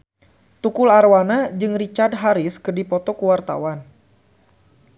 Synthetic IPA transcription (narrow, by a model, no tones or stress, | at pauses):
t̪ukʊlarwanad͡ʒɨŋrit͡ʃardɦaɾɪskɨrdipɔt̪ɔkuwart̪a̰wan